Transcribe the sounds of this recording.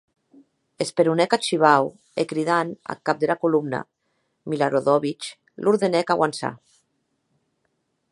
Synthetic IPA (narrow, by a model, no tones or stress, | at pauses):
espeɾunɛkat͡ʃiβ̞aw | ekɾiðana̰lkap̚d̪elakulumna̰ | milaɾoðɔβit͡ʃ | luɾðenɛkaɣwansa̰